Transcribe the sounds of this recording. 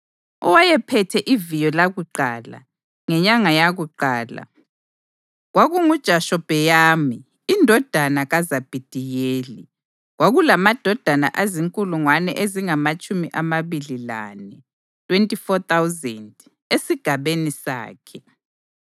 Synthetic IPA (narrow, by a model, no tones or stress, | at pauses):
ɔ̰wajɛpʰɛtʰɛʔivijɔlaɣuǃaːla̰ | ŋɛɲaŋajaɣuǃaːla̰ | ɣwaɣuŋud̥ʒ̥ʱaʃɔb̥ʱɛjaːmiː | ndʱɔd̥ʱanaɣazab̥ʱid̥ʱijeːli | ɣwaɣulamad̥ʱɔd̥ʱana̰ʔaziŋkʼuluŋwanɛ̰ʔeziŋamat͡ʃʼumiʔamaβilila̰nɛ | tʰʼwentʼifɔt̪ʰawzɛnd | esiɡ̥ʱaβenisa̰ːkʰɛ